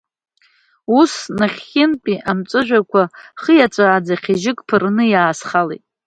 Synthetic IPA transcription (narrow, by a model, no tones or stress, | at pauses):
usnaχʲːɪnpʼiʔamt͡sʷʼɨʒᶣʷakʷʰaχəjat͡sʷʼaːd͡zaχʲiʒɪkʼpʰɨrnɨjaːsχalejtʼ